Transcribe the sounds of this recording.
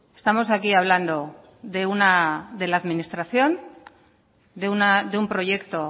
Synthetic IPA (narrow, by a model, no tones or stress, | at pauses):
e̞st̪amo̞sakiaβ̞land̪o̞ | ðe̞unad̪e̞laːðminist̪ɾaθjo̞n | d̪eunad̪eumpɾo̞ʝe̞kt̪o̞